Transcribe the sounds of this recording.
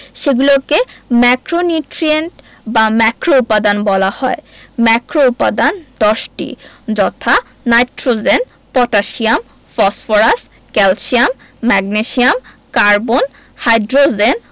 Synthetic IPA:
ʃeɡulokemɛkɾoniʈɾieɳʈ | bamɛkɾoupːad̪anbɔlahɔemɛkɾoupːad̪and̪ɔʃʈḭd͡ʑɔt̪ʰa | najʈɾod͡ʑen | pɔʈaʃiam | fɔsfoɾasʈ | kɛlʃiamː | ɛɡneʃiam | kaɾbon | hajɖɾod͡ʑen

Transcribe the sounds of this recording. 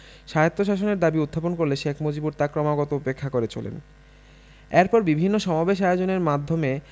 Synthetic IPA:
ʃaot̪ːoʃaʃoneɾd̪abiud̪ʱːaponkoɾleʃekʰmod͡ʑibuɾt̪akɾɔmaɡɔt̪oupekʰːakoɾet͡ɕʰo̰lḛn | eɾpɔɾbibʱinːoʃɔmabeʃ̬aeod͡ʑoneɾmad̪ʱːome

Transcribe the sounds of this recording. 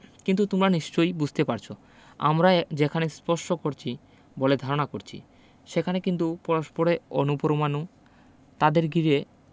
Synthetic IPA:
kint̪̬ut̪umɾaniʃt͡ɕojbud͡ʑʱt̪epaɾt͡ɕʰo | a̰mɾad͡ʑekʰanespɔʃʈokoɾt͡ɕʰi | boled̪ʱaɾonakoɾt͡ɕʰḭ | ʃekʰanekint̪̬upɔɾoʃpoɾeonupoɾomanu | t̪ad̪eɾɡiɾe

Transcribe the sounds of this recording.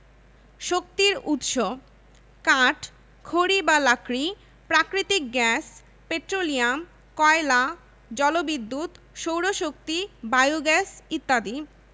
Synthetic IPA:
ʃok̚t̪iɾut̪ʃo | kãʈ | kʰoɽibalakɾi | pɾakɾit̪ik̚ɡɛs | peʈɾolijam | kɔela | d͡ʑɔlobid̪ːut̪ | ʃowɾoʃok̚t̪ibajoɡɛsit̪ːad̪i

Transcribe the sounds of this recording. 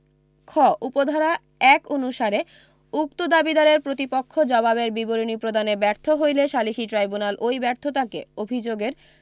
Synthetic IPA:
kʰɔʔupod̪ʱaɾa | ɛkonuʃaɾe | uk̚t̪od̪abid̪aɾeɾpɾot̪ipokʰːod͡ʑɔbabeɾbiboɾinipɾod̪anebɛɾt̪ʰoɦojleʃaliʃiʈɾajbunalʔojbɛɾt̪ʰot̪akḛobʱid͡ʑoɡeɾ

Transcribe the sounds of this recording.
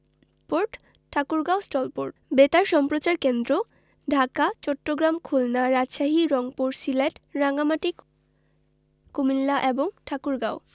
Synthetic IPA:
poɾʈ | ʈʰakuɾɡawsʈɔlpoɾʈbet̪aɾʃɔmpɾot͡ɕaɾkend̪ɾo | ɖʱakat͡ɕɔʈːoɡɾamkʰulnaɾad͡ʑʃaɦiɾɔŋpuɾsileʈɾaŋɡamaʈik | kumilːaʔeboŋʈʰakuɾɡaw

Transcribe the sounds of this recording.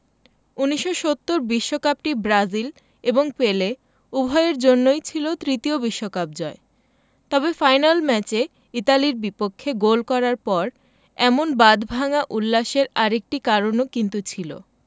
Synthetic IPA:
uniʃːoʃot̪ːoɾbiʃːokap̚ʈibɾad͡ʑil | eboŋpele | ubʱɔeeɾd͡ʑonːojt͡ɕʰilot̪ɾit̪iobiʃːokap̚d͡ʑɔe | t̪ɔbefajnalmɛt͡ɕe | it̪aliɾbipokʰːeɡolkɔɾaɾpɔɾ | ɛmonbad̪ʱbʱaŋaʔulːaʃeɾaɾek̚ʈikaɾonokint̪ut͡ɕʰilo̰

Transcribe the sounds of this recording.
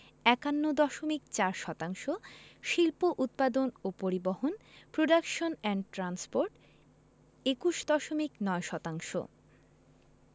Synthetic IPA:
ɛkanːod̪ɔʃomikt͡ɕaɾʃɔt̪aŋʃoʃilpoʔut̪̚pad̪onopoɾiboɦonpɾoɖakʃonɛɳʈɾanspoɾʈ | ekuʃd̪ɔʃomiknɔeʃɔt̪aŋʃo̰

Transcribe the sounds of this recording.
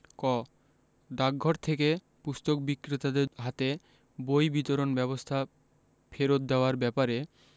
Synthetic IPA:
kɔ | ɖaɡʱɔɾt̪ʰeke | pust̪ok̚bikːɾit̪ad̪eɦat̪e | bojbit̪oɾonbɛβost̪ʰa | fʰeɾot̪̚d̪eoaɾbɛpaɾe

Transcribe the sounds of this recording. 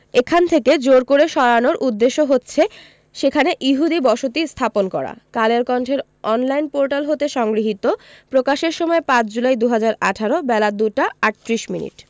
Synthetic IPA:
ekʰant̪ʰeked͡ʑoɾkoɾeʃɔɾanoɾʔud̪ːeʃːoɦotːɕʰe | ʃekʰaneʔiɦud̪ibɔʃot̪ist̪ʰaponkɔɾa̰kaleɾkɔɳʈʰeɾ | ɔnlajnpoɾʈalɦot̪eʃɔŋɡɾiɦit̪opɾokaʃeɾʃɔmɔepãt͡ɕd͡ʑulajd̪uɦad͡ʑaɾaʈʰaɾobɛlad̪uʈaaʈːɾiʃminḭʈ

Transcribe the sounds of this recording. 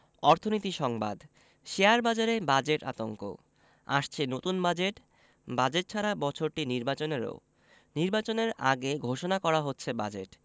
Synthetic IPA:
ɔɾt̪ʰonit̪iʃɔŋba̰d̪ | ʃeaɾbad͡ʑaɾebad͡ʑeʈa̰t̪oŋko̰ | a̰ʃt͡ɕʰenot̪unbad͡ʑeʈ | bad͡ʑeʈ̚t͡ɕʰaɾabɔt͡ɕʰoɾʈiniɾbat͡ɕoneɾo̰ | niɾbat͡ɕoneɾa̰ɡeɡʱoʃonakɔɾaɦotːɕʰebad͡ʑeʈ

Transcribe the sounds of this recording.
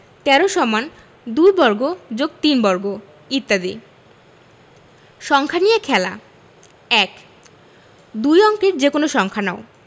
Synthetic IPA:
t̪ɛɾoʃɔman | d̪ujbɔɾɡod͡ʑoɡ̚t̪inbɔɾɡo | it̪ːad̪ḭ | ʃɔŋkʰanijekʰɛla̰ | ɛk | d̪ujɔŋkeɾd͡ʑekonoʃɔŋkʰanao

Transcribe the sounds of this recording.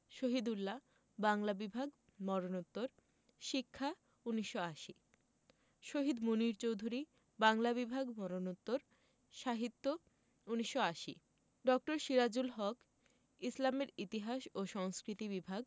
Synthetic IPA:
ʃoɦid̪ulːa | baŋlabibʱaɡ | mɔɾonot̪ːoɾ | ʃikʰːa | uniʃːoaʃi | ʃoɦid̪muniɾt͡ɕowd̪ʱuɾi | baŋlaβibʱaɡmɔɾonot̪ːoɾ | ʃaɦit̪ːo | uniʃːoaʃi | ɖɔk̚ʈoɾʃiɾad͡ʑulɦɔk | islameɾit̪iɦaʃoʃɔŋskɾit̪ibibʱaɡ̚

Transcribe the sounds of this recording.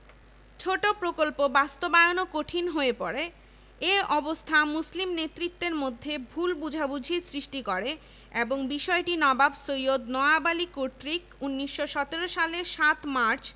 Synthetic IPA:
t͡ɕʰoʈopɾokolpobast̪obaeonokoʈʰinɦoepɔɾe | eʔɔbost̪ʰamuslimnet̪ːɾit̪ːeɾmod̪ʱːebʱulbud͡ʑʱabud͡ʑʱisɾiʃʈikɔɾe | eboŋbiʃɔeʈinɔbabsojod̪nɔabalikoʈɾikunːiʃːoʃɔt̪eɾoʃaleʃat̪maɾt͡ɕ

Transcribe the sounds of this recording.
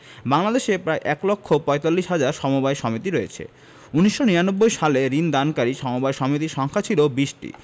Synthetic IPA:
baŋlad̪eʃepɾaeʔɛklokʰːopɔet̪alːiʃɦad͡ʑaɾʃɔmobaeʃɔmit̪iɾoet͡ɕʰḛ | uniʃːoniɾanobːojʃaleɾind̪ankaɾiʃɔmobajʃɔmit̪̬iɾʃɔŋkʰat͡ɕʰilobiʃʈḭ

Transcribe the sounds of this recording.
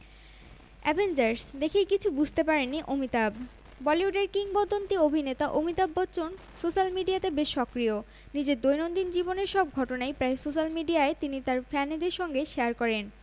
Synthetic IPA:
ɛ̰bʱend͡ʑaɾsd̪ekʰejkit͡ɕʰubud͡ʑʱt̪epaɾenːiʔomit̪ab | bɔliuɖeɾkiŋɡbod̪ʱːont̪iobʱinet̪aʔomit̪abːɔtːt͡ɕon | soʃalmiɖijat̪ebeʃːɔkɾio | nid͡ʑeɾd̪ojnond̪ind͡ʑiboneɾʃɔb̚ɡʱɔʈonajpɾaesoʃalmiɖiaet̪init̪aɾfɛned̪eɾʃɔŋɡeʃeaɾkɔɾen

